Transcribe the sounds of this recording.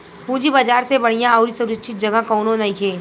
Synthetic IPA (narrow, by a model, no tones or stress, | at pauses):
pũːd͡ʒibad͡ʒaːɾsebɐɽ̤ijãɔːɾisʊɾəkʃʰɪt̪̚d͡ʒɐɡakɔːnõnɐikʰeː